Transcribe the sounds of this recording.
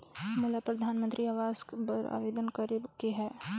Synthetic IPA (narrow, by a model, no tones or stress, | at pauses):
mʊlapɾɐd̪ʱaːnmə̃nt̪ɾiaːʋaːzpɐɾa̰ːʋeːd̪ənkəɾekeɦɛː